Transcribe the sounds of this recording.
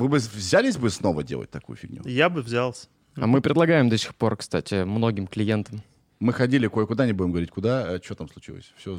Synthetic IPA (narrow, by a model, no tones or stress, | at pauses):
vɨbɨvzʲalʲɪs̬ʲbɨsno̞və̰dʲḛlˠə̰t̚ʲt̪ɐkṵjʊ̰fʲɪ̰ɡnʲṵjabɨvzʲalˠsʲə | ɐ̰mɨpɾʲɪd̪lˠɐɡajɪmd̪osʲɪ̥xpo̞rkst̪a̰tʲɪmno̞ɡʲɪmklʲɪjent̪əm | mɨxɐdʲilʲɪkojəkʊd̪anʲɪbudʲɪmɡəvɐɾʲitʲkʊd̪at͡ɕɪvot̪amslˠʊt͡ɕilˠə̰sʲfsʲo